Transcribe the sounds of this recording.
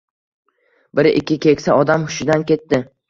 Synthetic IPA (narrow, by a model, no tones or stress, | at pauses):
bɪɾɪ̰kʲːɪkʲe̞kʲsaɒd̪amhʊʃɪd̪ankʲe̞t̪ːɪ